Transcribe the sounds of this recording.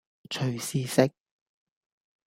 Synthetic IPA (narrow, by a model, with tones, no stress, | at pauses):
t͡ʃʰɵ˨˩ɥsiː˧sɪ˥k̚